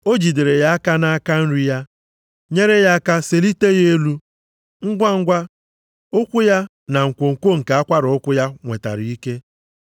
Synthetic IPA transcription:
o˦d͡ʒi˨de˨ɾe˨ja˦a˦ka˦na˦a˦ka˦n̩˦ɾi˦ja˦ | ɲe˦ɾe˦ja˦a˦ka˦se˨li˦te˦ɣe˦e˦lu˦ | ŋ̩˦ɡʷa˦ŋ̩˦ɡʷa˦ | ʊ˦kʷʊ˦ja˦ | na˨ŋ̩˨kʷo˨ŋ̩˨kʷo˦ŋ̩˨ka˨˦a˦kʷa˦ɾʊ˨ʊ˦kʷʊ˦ja˦ŋʷe˨ta̰˨ɾi˨i˦ke˦

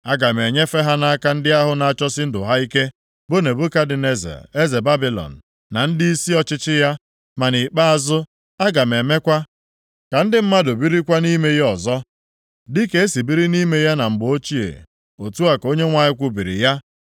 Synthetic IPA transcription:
a˦ɡa˨m˨e˨ɲe˦fe˦ɦa˦na˦a˦ka˦n̩˦dɪ˦a˦ɦʊ˦na˨a˦˨t͡ʃɔ˦sɪ˦n̩˦dʊ̰˨ɦa˦i˦ke˦ | bʊ˦ne˨bʊ˦ka˦dɪ˨ne˦zḛ˨e˦ze˨ba˦bi˨lɔ̰˨n̩˨ | na˨n̩˦dɪ˦i˦si˦ɔ˦t͡ʃɪ˦t͡ʃɪ˦ja˦ | ma˨ni˨k͡pa˦a˨zʊ˦ | a˦ɡa˨m˨e˨me˦kʷa˦ | ka˨n̩˦dɪ˦m̩˦ma˦do˨bi˦ɾi˦kʷa˦ni˦me˦je˦ɔ˨zɔ˦ | dɪ˦ke˨˦e˦si˨bi˦ɾi˦ni˦me˦ja˦na˨m̩˨ɡ͡bo˦t͡ʃi˦ḛ˨ | o˨tu˦a˨ko˦ɲe˦ŋʷa˨ɲɪ˦kʷʊ˦bi˨ɾɪ̰˨ja˦

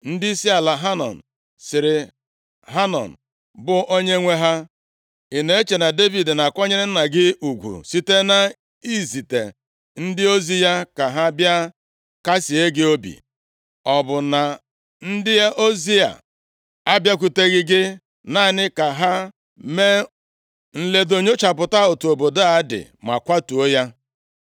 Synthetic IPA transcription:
n̩˦dɪ˦si˦a˨la˨ɦa˦nɔ̰˨n̩˨ | sɪ˨ɾɪ˨ | ɦa˦nɔ̰˨n̩˨ | bʊ˦ʔo˦ɲe˦ŋʷe˦ɦa˦ | i˨ne˨e˦t͡ʃe˨na˨de˦vi˨dna˨kʷɔ˦ɲe˦ɾɪ˦n̩˦na˨ɡɪ˦u˨ɡʷṵ˨si˦te˦na˦ | i˦zi˨tḛ˨ | n̩˦dɪ˦o˦zi˦ja˦ka˨ɦa˦bja˦ | ka˦si˨e˦ɡɪ˦o˦bḭ˨ | ɔ˨bʊ˨na˨ | n̩˦dɪ˦e˦ʔo˦zi˦a̰˨ | a˦bja˦k̬ʷu˨te˦ɣɪ˦ɡɪ˦ | na˦˨nɪ˦ka˨ɦa˦ | me˦ | n̩˨le˨do˨ɲo˦t͡ʃa˨pʊ˨ta˦o˨tu˨o˨bo˨do˦a˨˦dɪ̰˨ | ma̰˨kʷa˦tu˨o˦ja˦

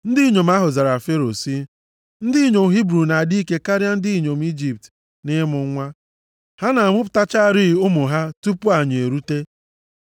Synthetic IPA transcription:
n̩˦dɪ˦i˦ɲo˨m̩˦a˦ɦʊ˨za˨ɾa˨fe˦ɾo˨si˦ | n̩˦dɪ˦i˦ɲo˨m̩˨ɦi˦bɾu˨na˨a˨di˦ke˦ka˦ɾja˦n̩˦dɪ˦i˦ɲo˨m̩˦i˦d͡ʒi˨p̚t | nɪ˦mʊ˨ŋ˦ŋʷa˦ | ha˦na˨a˨mʷʊ˦p̬ʊ̥˨ta˦t͡ʃa˦˨ɾi˦˨ʊ˦mʊ˨ɦa˦tu˦pʊ˦a˨ɲ˨e˨ɾu˦te˦

